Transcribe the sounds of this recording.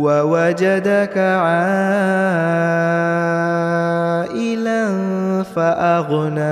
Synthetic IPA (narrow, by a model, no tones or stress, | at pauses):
wawad͡ʒadakaʕa | ʔɪlanfaʔaɣʊna